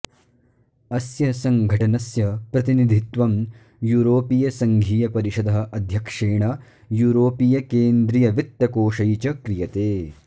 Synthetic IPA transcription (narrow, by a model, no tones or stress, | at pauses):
ɐsjɐsɐŋɡʱɐʈɐnɐsjɐpɾɐt̪inid̪ʱit̪ʋɐm | juːɾoːpijɐsɐŋɡʱiːjɐpɐɾiʃɐd̪ɐɦɐ̆ʔɐd̪ʱjɐkʂeːɳɐ | juːɾoːpijɐkeːnd̪ɾijɐʋit̪ːɐkoːʃɐjt͡ʃɐkɾijɐt̪eː